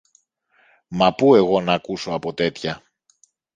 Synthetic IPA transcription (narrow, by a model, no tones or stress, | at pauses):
mɐpue̞ɣo̞nɐːkuso̞ɐpo̞t̪e̞t̪çɐ